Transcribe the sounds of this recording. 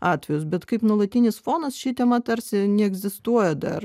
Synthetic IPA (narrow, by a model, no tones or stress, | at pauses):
ɑːt̪ʲʋʲɛjʊsbʲɛt̪kɐɪpnuɔlˠɐt̪ʲinʲɪsfoːnɐsʃʲit̪ʲɛmɐt̪ɐɾʲsʲɪnʲɛɛɡzʲɪst̪uɔjɛd̪ɐ̰r